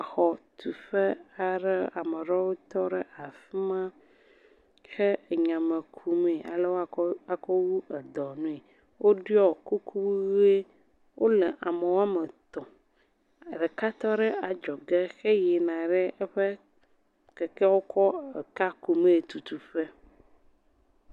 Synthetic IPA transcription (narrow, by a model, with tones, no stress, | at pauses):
a˨xɔ˨t̪u˨ɸɛ˦a˨ɖɛ˦a˨me˨ɾɔ˦wo˦t̪ɔ˦ɖɛ˦ʔa˨fi˦mã˦ | xɛ˦˨ɲã˨me˨kʰu˨me˨ʔa̰˨lɛ˦wo˦˨a˨kɔ˦wu˦ɛ˨d̪ɔ˨nũ˦e˨ | wo˦ɖi˦ɔ˦˨ku˦kʰu˦u˦we˦ | wʔo˦lɛ˨ʔa˨me˨wo˦a˦me˨t̪ɔ˨ | ɖɛ˨ka˦t̪ɔ˦ɖɛ˦a˨d͡ʒɔ˨ɡɛ˦xɛ˦je˨nã˨ɖɛ˦ɛ˦ɸɛ˦ | kɛ˨kɛ˦wo˦kʰɔ˦e˨ka˦ku˨mẽ˦˨t̪u˨t̪u˨ɸɛ˦